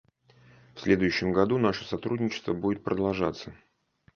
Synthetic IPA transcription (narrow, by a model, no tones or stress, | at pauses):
fsʲlʲe̞d̪ʊjʉɕːɪmɡɐd̪unaʂəsɐt̪ɾudʲnʲɪt͡ɕɪ̥st̪vəbudʲɪt̪̚pɾʔəd̪ɐlˠʐat̪sːə